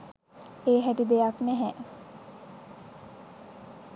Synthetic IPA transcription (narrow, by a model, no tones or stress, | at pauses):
eːɦæʈid̪ejaknæɦɛ